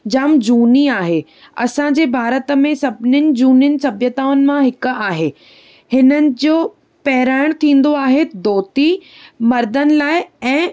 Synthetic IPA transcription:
d͡ʑamd͡ʑuːniaːɦeː | ɐ̰sãd͡ʑeːbʱaːɾət̪ə̆mẽsɐbʱɪnɪnɪ̆d͡ʑuːnɪnɪ̆sɐbjət̪aːʊnɪ̆mãɦɪk̆aːɦeː | hɪnənɪ̆d͡ʑoː | pɛɦɪɾaːɪɽ̃t̪ʰĩːn̆d̪oaːɦed̪oːt̪i | mɐɾd̪ənɪ̆laːɪɛ̃ː

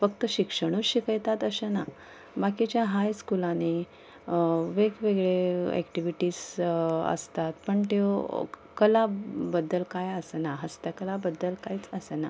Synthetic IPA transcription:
fəkt̪əɕikʂəɳ̃uɾɕikəjt̪at̪əɕəna | bakit͡ɕjaɦajskulane | ʋeɡʋeɡɭeɛ̰kʈiʋiʈiːsə̰st̪at̪pəɳt̪o | kəlabəd̪ːəlkajəsənaɦəst̪əkəlabəd̪ːəlkajt͡səsəna

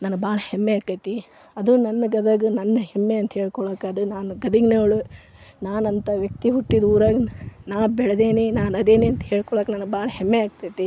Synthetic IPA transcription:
nɐnbaːɭɐhemːeaːkɐjt̪i | ɐd̪unɐnːɐɡɐd̪aːɡɐnɐnːɐhemːeɐnt̪ɐɦeːɭkɔɭoːkɐd̪unaːnuɡɐd̪iɡnoːɭu | naːnɐnt̪ɐʋjɐk̚t̪iɦuʈːid̪uːɾaːɡɐnaːbɛɭɐd̪eːninaːnɐd̪eːniɐnt̪ɐɦeːɭkɔɭoːknanɡbaːɭɐɦemːeaːɡ̚t̪ajt̪i

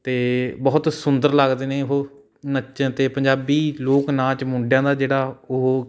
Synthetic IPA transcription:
t̪eːbɔːt̪sʊnd̪əɾlaɡd̪eːnẽːɦoː | nət͡ʃət̪eːpəɲd͡ʒaːbiːloːknãːt͡ʃmʊ̃ɳɖjãːd̪aːd͡ʒeːɽaːoɦ

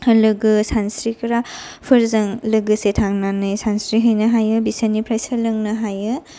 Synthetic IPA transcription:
lɯɡɯsansɾikʰɐɾapʰɯɾzɐŋlɯɡɯsetʰaŋnanɯjsansɾiɦɯjnɐɦajɯbisanipʰɾajsɯɾlɯŋnɐɦajɯ

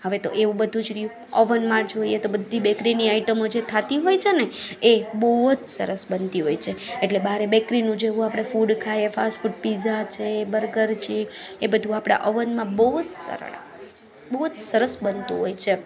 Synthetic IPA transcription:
həʋet̪o̰ʔeʋũbəd̪ʱũd͡ʒɾi | əʋənmãɾd͡ʒoiet̪obəd̪ʱːibɛkɾiniaiʈəmod͡ʒet̪ʰat̪iɦojt͡ʃʰeneeboɦt̪sə̰ɾəsbənt̪iɦojt͡ʃʰeeʈlebaɾebekɾinũd͡ʒeʋũapɽ̃efuɖkʰajefasʈfuɖpizat͡ʃʰebəɾɡəɾt͡ʃʰeebəd̪ʱũapɽ̃a̰ʔəʋənmãboɦut̪sə̰ɾ̰ɭa̰ | boɦut̪səɾəsbənt̪ṵ̃ɦojt͡ʃʰe

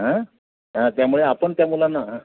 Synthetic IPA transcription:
ɦə̃ | ɦãt̪jamuɭeapəɳt̪jamulanːaɦə̃

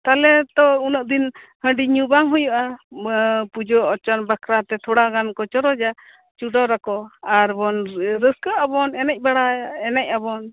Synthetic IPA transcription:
t̪alɛt̪ɔunəʔ̚d̪in | həɳɖiɲubaŋɦujuʔa | pud͡ʒɔɔt͡ʃɔnbakʰɾat̪ɛt̪ʰɔɽaɡankɔt͡ʃɔɾɔd͡ʒa | t͡ʃuɖɔɾakɔaɾbɔnɾəskəʔabɔnɛnɛc̚ˀbaɽaɛnɛc̚ˀabɔn

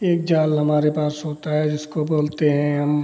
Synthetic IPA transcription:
eːk̚d͡ʒaːlɦɐmaːɾepaːsɦoːt̪aɦɛd͡ʒɪskoboːlt̪eɦɛ̃ɦɐm

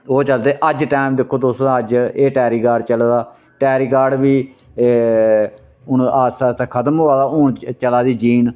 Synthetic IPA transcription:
oːt͡ʃəld̪eːʔəd͡ʒʈaːɪmd̪ɪkʰːoːd̪oːsɾãːəd͡ʒeːʈɛːɾiːɡaːɖt͡ʃəlːd̪aː | ʈɛːɾiːɡaːɖbiː | ʊɳaːsaːtːkʰət̪əmɦoːaːd̪aːʊɳt͡ʃəlaːd̪iːd͡ʒiːn

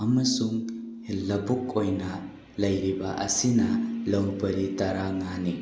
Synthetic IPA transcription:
ɐmɐsuŋ | lɐbuk̚ojnɐ | lɐjɾiba̰ʔɐ̰sinɐlɐwbɐɾitaɾaŋani

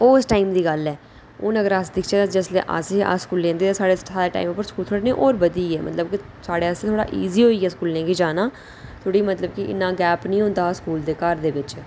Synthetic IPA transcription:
oːsʈaːiːmd̪iːɡəlɛː | ʊnəɡəɾasd̪ɪkʰt͡ʃeːd̪ad͡ʒəslḛːʔə̰sʔə̰skuːllẽːnd̪eːt̪ːsaːɽesaːdeːʈa̰ːimpːəɾskuːlt̪ʰoːɽeːnẽʔoːɾbəd̪iːɛːmʔə̰t̪ləb̚kɪ | saːɽeːəseːt̪ʰoːɽa̰ːʔḭːziːɦoːiːɡɛːskuːlnẽːɡiːd͡ʒaːnaː | t̪ʰoːɽiːmət̪ləbkɪʔɪ̰nːãːɡɛːpnĩːɦʊ̃nd̪aːskuːld̪eːkəɾd̪eːʋɪt͡ʃ

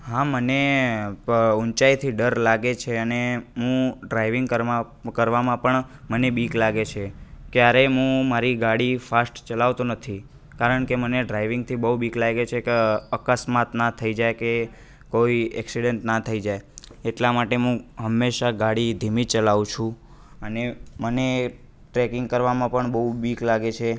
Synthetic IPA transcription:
ɦãməne | unt͡ʃajt̪ʰiɖəɾlaɡet͡ʃʰeəneɦũɖɾaiʋɪŋɡkəɾa | kəɾʋamãpəɳmənebiklaɡet͡ʃʰekjaɾeɦũmaɾiɡaɽifasʈt͡ʃəlaʋt̪ũnət̪ʰi | kaɾəɳkeməneɖɾaiʋɪ̃ŋɡ̚t̪ʰibəɦubiklaɡet͡ʃʰekeəkəsmat̪nat̪ʰːəid͡ʒajke | koiɛksiɽeɳʈnat̪ʰəid͡ʒajeʈlamaʈeɦũɦəmːeʃaɡaɽid̪ʱimit͡ʃəlaʋũt͡ʃʰũ | əneməne | ʈɾɛkɪŋɡ̚kəɾʋamãpəɳbəɦubiklaɡet͡ʃʰe

